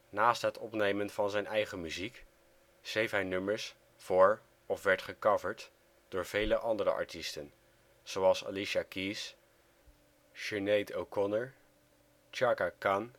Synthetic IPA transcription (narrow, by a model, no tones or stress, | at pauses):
naːstɦətɔpnejmənvɑnzɛjnɛjχəmyzik | sejfɦɛjnɵməɹs | fʊːɹ | ɔfʋɛɹtχəkɑvəɹt | d̥ʊːɹv̥ejləʔɑndəɾə̰ʔɑ̰ɹtistən | z̥owɑlˠsa̰liʃakis | ʃənejtowkɔnəɹ | t͡ʃɑɹkakan